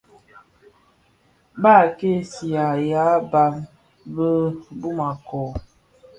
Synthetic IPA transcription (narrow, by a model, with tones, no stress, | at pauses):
ba˦˨ke˦si˨a˨ja˨˦ba˨m | bə˦bu˦ma˨kɔ˨